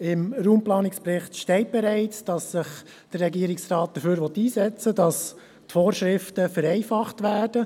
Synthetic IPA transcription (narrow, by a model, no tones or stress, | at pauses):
ɪmɾuːmplɑːnɪksprɪχtʃtɛɪt̚b̥ɛɾæɪt͡sd̥ɑsːɪχ | d̥ərɛɡiəɾɪksrɑːt̚d̥əføːɾʋɔt̪iːsɛt͡sədɑs | tfoːɾʃɾɪftəfəɾɛɪfɑχtvæːd̥ə